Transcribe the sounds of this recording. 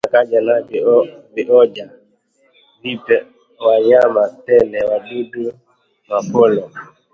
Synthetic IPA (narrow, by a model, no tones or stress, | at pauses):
akad͡ʒanabbiʔɔd͡ʒa | vipɛ | wajamatɛlɛwadudu | mafɔlɔ